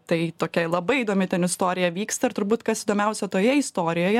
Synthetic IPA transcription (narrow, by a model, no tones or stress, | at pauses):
t̪ɐɪt̪oːkʲɛlˠɐbɐɪid̪oːmʲɪtʲɛnɪst̪oːɾʲɪjɛʋʲiːkst̪ɐɪɾt̪ʊɾbuːt̪kɐsɪid̪oːmʲɛʊsʲɛt̪oːjɛɪst̪oːɾʲɪjoːjɛ